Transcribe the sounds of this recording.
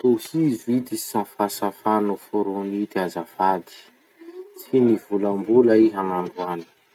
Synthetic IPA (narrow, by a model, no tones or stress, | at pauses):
t̪ohizuid̪i̥safasafanufoɾunit̪iazafad̪i̥ | t͡siniv̥ulambulaiɦanaɳɖ͡ʐuani̥